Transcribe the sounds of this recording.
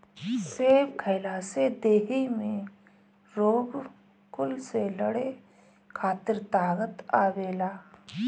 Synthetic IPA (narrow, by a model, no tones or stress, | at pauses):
seːʋkʰəɪlaːsed̪eːɦimẽ | ɾoːɡ | kʊlseləɽe | kʰaːt̪əɾt̪aːɣət̪aːʋeːlaː